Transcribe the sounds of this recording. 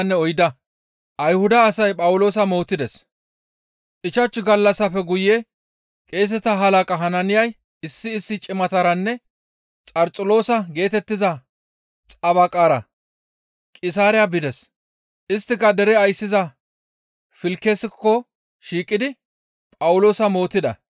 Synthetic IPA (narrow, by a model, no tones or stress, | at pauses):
nːɛɔjd̪ɐ | ʔɐjhʊd̪ɐːsɐjpʼɐwʊlo̞ːs̬ɐmo̞ːt̪ːɪd̪ɛs | ʔɪt͡ʃɐt͡ʃːɡɐlːɐsːɐfɛɡʊje | kʼe̞ːs̬ɛt̪ɐɦɐlɐkʼɐɦɐnɐnɪjɐj | ɪsːɪːsːɪt͡ʃʼɪmɐt̪ɐɾɐnːɛ | t͡sʼɐɾt͡sʼʊlo̞ːsɐɡe̞ːt̪ɛt̪ːɪzɐ | t͡sʼɐβɐkʼaːɾɐ̰ | kʼɪsaːɾɪjɐbɪd̪ɛs | ʔɪst̪ːɪkːɐd̪ɛɾɛɐjsːɪzɐ | fɪlkːesɪkːɔ | ʃiːkʼːɪd̪ɪ | pʼɐwʊlo̞ːsɐmo̞ːt̪ːɪd̪ɐ̰